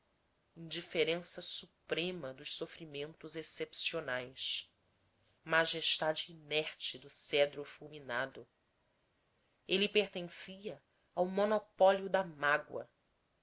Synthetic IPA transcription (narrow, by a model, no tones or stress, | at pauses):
ĩnd͡ʒifeɾẽsɐsupɾẽmɐd̪ʊʃsofɾimẽnt̪ʊzesepsionajs | maʒeʃt̪ad͡ʒɪːnɛχt͡ʃɪd̪ʊsɛd̪ɾʊfulminad̪ʊ | elipeχt̪ẽŋsiɐ | awmonopɔliʊd̪ɐmaɡwɐ̰